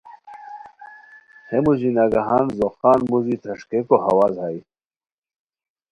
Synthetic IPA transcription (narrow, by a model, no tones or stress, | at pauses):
hemuzinaɡaɦanzoxɑːnmuzit̪ʰɐʂkekoha̰wazhaj